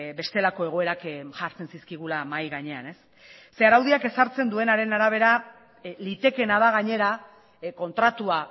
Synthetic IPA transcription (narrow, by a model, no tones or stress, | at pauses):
be̞st̪e̞lako̞e̞ɣ̞o̞e̞ɾakʝaɾt͡se̞nsiskiɣ̞ulamajɣaɲe̞ane̞sː | e̞aɾawðiake̞saɾt͡se̞nd̪ue̞naɾe̞naɾaβ̞e̞ɾa | lit̪e̞ke̞naðaɣ̞aɲe̞ɾa | ko̞nt̪ɾat̪ua